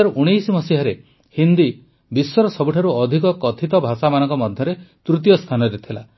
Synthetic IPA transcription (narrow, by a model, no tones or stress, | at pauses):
aɾʔuɽ̃ijsmɔsiɦaɾe | hind̪i | biswɔɾɔsɔbuʈʰaɾuɔd̪ʱikɔkɔt̪ʰit̪ɔbʱasamanɔ̃ŋkɔmɔd̪ʱjɔɾet̪ɾut̪̬jɔst̪ʰanɔɾet̪ʰila